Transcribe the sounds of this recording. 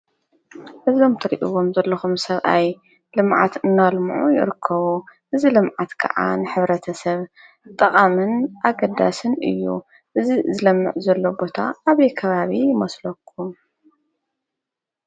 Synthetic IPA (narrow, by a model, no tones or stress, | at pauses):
ʔɨzo̞mt̪ʰɐɾiʔiwo̞mzɐlːɐxumsɐβʔaj | lɨmʕa̰t̪ɨnːalmɨ̰ʕṵjɪ̰ɾɨkʰːɐβuʔɨzilɨmʕat̪kʰɐ̰ʕa̰nɨħɨβɾɐt̪ʰɐsɐβ | t̪ʼɐχʼamɨnʔaɡɐd̪a̰sɨnɨ̰jːṵ | ʔɨzizɨlɐmːɨ̰ʕzɐlːo̞bo̞t̪ʰa̰ːβɐjkʰɐβaβijɪmɐslɐkʰːum